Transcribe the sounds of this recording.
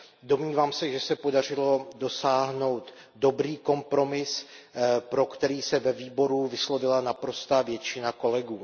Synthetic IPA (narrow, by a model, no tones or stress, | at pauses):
do̞mɲiːvaːmsɛʒɛsɛpo̞dar̝ɪlo̞do̞saːɦno̞wt̪ | do̞bɾiːko̞mpɾo̞mɪs | pɾo̞kt̪ɛɾiːsɛvɛviːbo̞ɾuvɪslo̞vɪlanapɾo̞st̪aːvjɛt͡ʃɪnako̞lɛɡuː